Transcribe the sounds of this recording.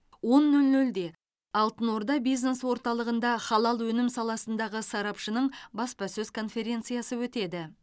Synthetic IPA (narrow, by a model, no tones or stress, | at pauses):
wo̞nːɵlnɵld̪e̞ | ɑlˠt̪ənwo̞ɾd̪ɑbijzne̞swo̞ɾt̪ɑlˠəʁənd̪ɑχɑlˠɑlˠwɵnɪmsɑlˠɑsənd̪ɑʁəsɑɾɑpʃənəɴbɑspɑsɵzkʰo̞nfe̞ɾʲe̞nt̪sɨjɑsəwɵt̪e̞d̪ɪ